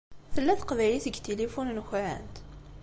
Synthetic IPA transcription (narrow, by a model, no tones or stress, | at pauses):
θəlːæθə̥qvæjliθəɡt̪elifunnçɾə̰nt̪